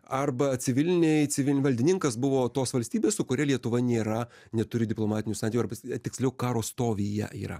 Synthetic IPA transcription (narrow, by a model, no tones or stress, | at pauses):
ɐrbɐt͡s̪ʲɪʋʲɪlʲɪnʲɛɪt͡s̪ʲɪʋʲɪʋɐlʲd̪ʲɪnʲɪŋkɐsbʊʋoːt̪oːsʋɐlʲsʲt̪ʲiːbʲeːssʊkʊɾʲɛlʲiɛt̪ʊʋɐnʲeːɾɐ | nʲɛt̪ʊɾʲɪd̪ʲɪplˠoːmɑːt̪ʲɪnʲʊsɑnt̪ʲikʲʊɐɾbɐt̪ʲɪksʲlʲɛʊkɑːɾoːst̪oːʋʲijɛ̰ḭːɾɐ̰